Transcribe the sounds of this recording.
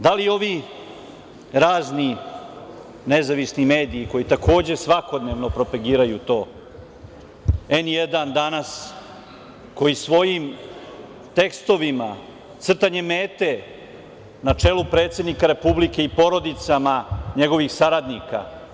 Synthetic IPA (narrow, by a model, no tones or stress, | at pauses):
d̪alio̞ʋi | ɾaːzni | ne̞zaʋisnime̞ːd̪iːko̞jit̪ako̞ːd͡ʑe̞sʋako̞d̪ne̞ːʋno̞pɾo̞paɡiːɾajut̪o̞ː | e̞njed̪and̪anas | ko̞jisʋo̞jim | t̪e̞kst̪o̞ʋima | t̪sr̩t̪aɲe̞me̞ːt̪e̞ | nat͡ʂe̞lupɾe̞ːt̪sʲe̞d̪nikaɾe̞publike̞ipo̞ɾo̞d̪it̪samaɲe̞ɡo̞ʋixsaɾad̪nika̰